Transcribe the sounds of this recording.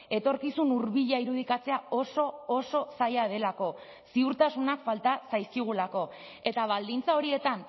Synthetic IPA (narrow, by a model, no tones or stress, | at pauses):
e̞t̪o̞ɾkisunuɾβiʎaiɾuð̞ikat͡se̞ao̞so̞ːso̞sajað̞e̞lako̞ | siuɾt̪asunakfalt̪asajskiɣ̞ulako̞ | e̞t̪aβ̞ald̪int͡sao̞ɾie̞t̪an